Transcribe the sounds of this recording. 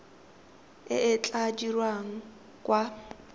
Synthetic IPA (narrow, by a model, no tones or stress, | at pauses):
ɪ̰ɪt͡ɬʼad͡ʒirwaŋ̩ | kʼwa